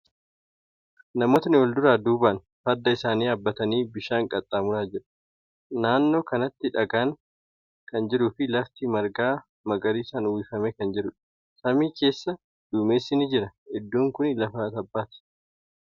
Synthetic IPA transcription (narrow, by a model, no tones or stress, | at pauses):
nɐmo̞ːt̪ɐnɪwɔld̪ʊɾaːd̪uːbɐn | fɐd̪ːɐɪsaːniːɐbːɐt̪ɐniːbɪʃaːŋkʼɐt̪ʼːaːmʊɾaːd͡ʒɪɾɐ̥ | naːnːo̞ːkɐnɐt̪ːɪᶑɐɡaːŋ | kɐnd͡ʒɪɾʊːfɪlɐft̪ɪmɐɾɡaː | mɐɡɐɾiːsaːnʊwɪfɐmɛkɐnd͡ʒɪɾʊᶑɐ̥ | sɐmiːke̞ːsːɐ | d̪̥uːme̞ːsːɪnɪd͡ʒɪɾɐɛd̪ːuːŋkʊnlɐfaːt̪ɐbːaːt̪ɛ̥